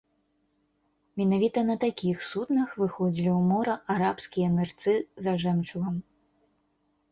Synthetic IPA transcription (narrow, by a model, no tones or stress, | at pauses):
mʲɛnavʲit̪ɐnɐt̪akʲixsut̪nɐxvɨxɔd͡zʲilʲiwmɔɾɐʔaɾapskʲijɐnɨrt̪sɨzɐʐɛmt͡ʂuɣɐm